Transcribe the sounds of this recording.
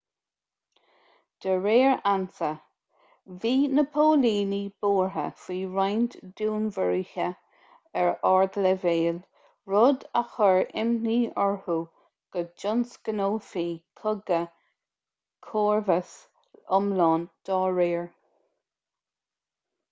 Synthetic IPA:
d̪̥əɹeːɹansə | viːnəpʰoːliːnib̥oːɹɦə̰fiːɹajnt̪d̪̥uːnvəɹiçə | ɛɹɑɹd̪ələveːl | ɹʊd̪axəɹɪ̰mniːɔɹhu | ɡ̥əd͡ʒʊnsɡ̥ənoːfiːkʰʊɡə | kʰoːɹvəs | ʊmlɑːnd̪̥ɑːɹeːɹ

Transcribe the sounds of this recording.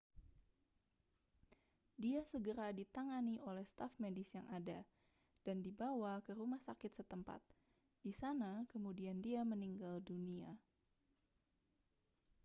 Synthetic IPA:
diasəɡəɾadit̪aŋaniʔolɛhst̪afmedɪsjaŋʔada | d̥andibawakəɾumahsakɪt̪sət̪əmpa̰t̪̚ | disanakəmudiandiaməniŋɡaldunia

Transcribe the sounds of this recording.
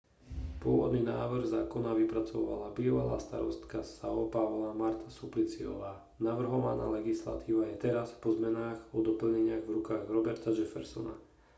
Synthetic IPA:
pʊɔʋɔd̪niːnaːʋr̩ɣzaːkɔnaʋipɾat͡sɔʋa̰labiːʋala̰ːst̪a̰ɾɔ̰st̪kasaɔpaʋlamaɾt̪ʰḁsuplit͡siɔ̰ʋaː | naʋr̩ɦɔʋana̰ːlɛɡisla̰t̪ʰiːʋajɛt̪ɛɾaspɔzmɛnaːɣɔd̪ɔpl̩ɲɛɲɪaɣvɾukaːɣɾɔbɛɾt̪ad͡ʒɛfɛ̰ɾsɔna̰

